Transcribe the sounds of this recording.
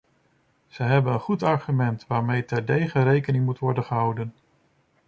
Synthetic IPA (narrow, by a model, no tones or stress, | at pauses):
z̥əɦɛbənənχutɑɹχymɛntʋaːɹmejtɛɹdejχərejkənɪŋmutʋɔɹdənχəɦɑwdən